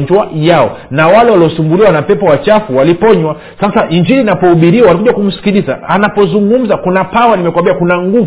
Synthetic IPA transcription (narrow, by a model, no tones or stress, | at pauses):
ɲd͡ʒuwajaɔ̰nawalɛwaliɔsumbuliwanapɛpɔwat͡ʃafuwalipɔɲwa | sasaʔiɲd͡ʒilinapɔuɓiɾiwawalikuʄwakum̩si̥kilizaːnapɔzuŋɡum̩zakunapawanimɛkwambiakunaŋɡuv